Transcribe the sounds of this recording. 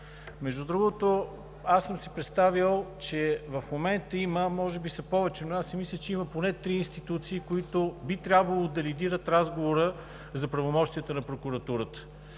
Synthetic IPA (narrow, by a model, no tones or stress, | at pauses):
mɛʒd̪ud̪ɾuɡot̪o | asːəmsɛpɾɛt̪st̪avəlˠt͡ʃɛvɐfmomɛnt̪əiməmɔʒɛbisɐpɔvɛt͡ʃɛnʊasːɛmislʲət͡ʃɛiməponɛt̪ɾiːnst̪it̪ut̪siːkoit̪obit̪ɾʲjabvəlˠod̪ɐlid̪iɾət̪ɾazɡovoɾə | zɐpɾɐvomɔʃt̪iət̪ənɐpɾokʊɾɐt̪uɾət̪ə̥